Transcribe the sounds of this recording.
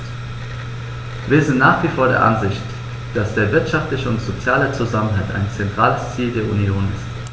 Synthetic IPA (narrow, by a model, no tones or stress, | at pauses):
viːɐzɪntnaːχv̥ifoːɐɾḛːɐʔa̰nzɪçt | d̥asd̥eːɐvɪɐtʃaftlɪçəʊntz̥ot͡sjaːlət͡suzamənɦalta̰ɪnt͡sɛntʁ̥aːləst͡siːldeːɐʔunjoːnɪst